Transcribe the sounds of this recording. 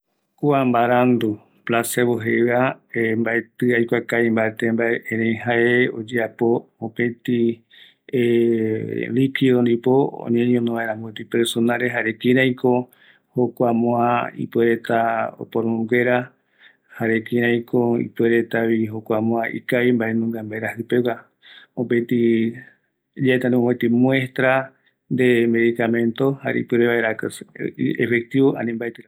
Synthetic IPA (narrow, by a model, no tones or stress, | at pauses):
kuambaɾand̪u | plaseβoɦeβaembaet̪ɨajkʷakaimbaet̪embaeʔẽɾẽjɦaeo̰d͡ʒeapoõpẽt̪i | e | likiðond̪ipoo̰ɲẽɲõnõβaeɾ̃ãmbuet̪ipeɾsonãɾeɦaɾekĩɾãj̃ko̞ | hokʷamõãḭpweɾet̪ao̰poɾõŋɡe̞ɾa | haɾekĩɾ̃ãj̃kʰoḭpweɾe̞t̪aβiɦokʷamõaʔḭkaimbaʔenũŋɡambaeɾahɨpewa | õpet̪i | d͡ʒaet̪ãnĩẽt̪imw̃e̞st̪ɾa | nd̪eme̞ðikamẽ̞nt̪oha̰ɾḛipɨɾeβaeɾak | ḛfek̚t̪iβoʔa̰nĩmbaet̪ɨɾ